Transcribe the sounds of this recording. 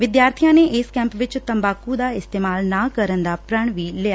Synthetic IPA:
ʋɪd̪jaːɾt̪ʰijãːneːʔɪskɛ̃ːmpʋɪt͡ʃt̪əmbaːkud̪aːɪst̪eːmaːlnaːkəɾənd̪aːpɾəɳ̃ʋiːleːaː

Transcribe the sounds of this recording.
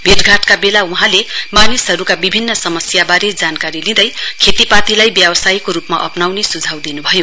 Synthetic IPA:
bʱeʈɡʱaʈkabelauɦãlemanisɦʌɾukabibʱinːʌsʌmʌsjabaɾed͡zankaɾilĩd̪ʌjkʰet̪ipat̪ilajbjʌbʌsajkoɾupma̰ʔʌ̰pnawnesud͡zʱawd̪inubʱʌjo

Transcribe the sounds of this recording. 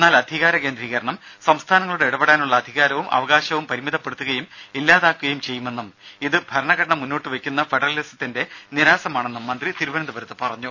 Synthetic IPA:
enːaːlɐd̪ʱiɣaːɾɐke̞ːnd̪ɾiːɣɐɾɐɳɐmsɐmst̪ʰaːnɐŋːɐɭuɽeiɽɐbɐɽaːnuɭːɐːd̪ʱiɣaːɾɐʋumʔɐ̰ʋɐɣaːɕɐʋumpɐɾimiðɐpːe̞ɽut̪ːuɣɐjumilːaːðaːkːuɣɐjumt͡ɕe̞jːume̞nːumiðɨbʱɐɾɐɳɐɣɐɽɐɳɐmːunːo̞ːʈːɨʋekʲːun̪ːɐfeɖɐrɐlisɐ̥t̪ːinde̞niɾaːsɐmaːɳe̞nːumːɐnd̪rit̪iɾuʋɐnɐnd̪ubɐɾɐt̪ːɨpɐrɐɲːu

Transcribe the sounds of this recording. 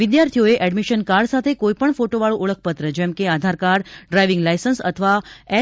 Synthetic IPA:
ʋid̪jaɾt̪ʰijoeʔɛɖmiʃənkaɾɖsat̪ʰekoipəɳfoʈoʋaɭũʔoɭəkʰpət̪ɾəd͡ʒɛmkead̪ʱaɾkaɾɖɖɾajʋɪŋɡlajsənsə̰t̪ʰəʋaɛ

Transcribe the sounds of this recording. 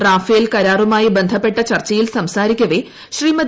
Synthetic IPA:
raːfeːlkɐɾaːrumaːjibend̪ʱɐpːe̞ʈːɐt͡ɕɐrt͡ɕːɐjilsɐmsaːɾikʲːɐʋeː | ɕriːmɐd̪

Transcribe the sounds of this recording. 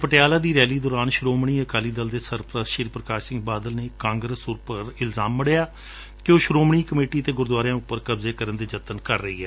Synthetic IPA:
pəʈejaːlaːd̪iːɾɛːliːd̪ɔːɾaːnʃɾoːmɳ̃iːəkaːliːd̪əld̪eːsəɾpɾəsʃiːɾpɾəkaːʃsɪ̃ŋɡ̚baːd̪əlneːkãːŋɡɾəsʊɾpəɾɪlzaːmːəɽejaː | kɪoːʃɾoːmɳiːkəmeːʈiːt̪eːɡʊɾd̪aːɾjãːʊpːəɾkəbzeːkəɾənd̪eːd͡ʒət̪ənkəɾːəɦiːɦɛː

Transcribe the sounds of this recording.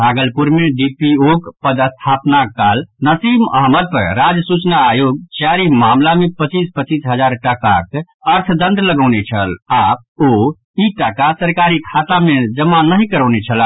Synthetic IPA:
bʱaɡəlpuɾmeɖipiokpəd̪əst̪ʰapnakalnəsimə̰ɦməd̪̚pə̰ɾɾad͡ʒsut͡ʃnaːjoɡ̚t͡ʃaɾimamlamepət͡ʃispət͡ʃisɦəd͡ʒaɾʈəkak | əɾt̪ʰd̪ə̃nt̪ləɡəʊnet͡ʃʰəlap̚o | iʈəkasəɾkaɾikʰat̪amed͡ʒəmːanəɦikəɾəwnet͡ʃʰəla

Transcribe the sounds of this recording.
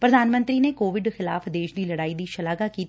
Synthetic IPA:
pɾəd̪aːnmə̃nt̪ɾiːneːkoːʋɪɖxɪla̰ːfd̪eːʃd̪iːləɽaːiːd̪iːʃəlaːɡaːkiːt̪

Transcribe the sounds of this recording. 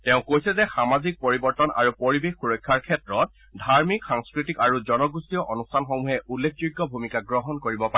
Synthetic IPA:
tɛ̃ʊ̃kojsɛzɛxamazik̚poɹibɔɹtɔnʔa̰ɹupoɹibexːuɹɔkʰːaɹkʰɛtɹɔt̚ | dʱaɹmikxaŋskɹitikaɹuzɔnɔɡustiɔʔonustʰanxomuɦɛʔulːek̚ʰzujɡːɔbʱumikaɡɹɔɦɔnkoɹibɔpa

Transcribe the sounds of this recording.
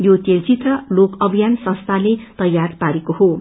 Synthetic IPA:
jot̪elt͡sit̪rʌlokʌbʱijansʌ̃st̪ʰalet̪ʌjːarpaɾekoho

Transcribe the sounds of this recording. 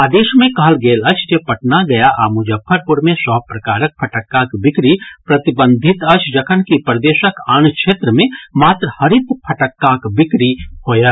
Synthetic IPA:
aːd̪eːʃmẽkaːlɡeːlɐt͡ʃʰd͡ʒepɐʈ̚naɡɐjaʔaːmʊd͡ʒəfʰːəɾpʊɾmẽsɔːpɾɐkaːɾək̚pʰɐʈəkːãkbɪkɾipɾɐt̪ɪbə̃nd̪ʱɪt̪ɐt͡ʃʰd͡ʒɐkʰənkipɾd̪eːʃəkaːnkʃʰeːt̪ɾəmẽmaːt̪ɾhɐɾɪt̪pʰɐʈəkːãkbɪkɾihoːjaː

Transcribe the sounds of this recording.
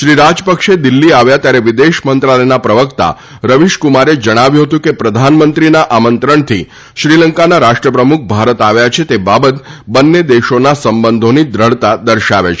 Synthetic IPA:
ʃɾiɾad͡ʒpəkʃed̪ilːiaʋjat̪jaɾeʋɪd̪eʃmənt̪ɾaləjnapɾəʋəkt̪a̰ | ɾəʋiʃkumaɾed͡ʒəɽ̃aʋjũɦət̪ũkepɾəd̪ʱanmənt̪ɾinaʔamənt̪ɾəɳt̪ʰi | ʃɾiləŋkanaɾaʃʈɾəpɾəmuk̚bʱaɾət̪aʋjat͡ʃʰet̪ebabət̪bənːed̪eʃonasəmbənd̪ʱonid̪ɾəɭt̪ad̪əɾʃaʋḛt͡ʃʰ

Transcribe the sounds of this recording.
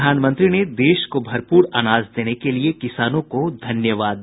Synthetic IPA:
aːnmɐ̃nt̪ɾined̪eːʃkobʱɐɾpuːɾaːnaːzd̪eːnekeliekɪsaːnõkod̪ʱɐnjəʋaːd̪

